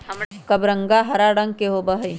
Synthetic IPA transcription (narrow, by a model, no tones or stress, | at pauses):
kɐbɾə̃ŋɡaɦɐɾaɽɐŋɡkeɦobɐɦɐj